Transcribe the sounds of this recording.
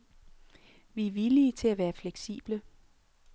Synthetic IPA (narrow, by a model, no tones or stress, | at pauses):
ʋiæʋiliət͡sʰe̝læʋæːɐfleɡ̥sḭːb̥lə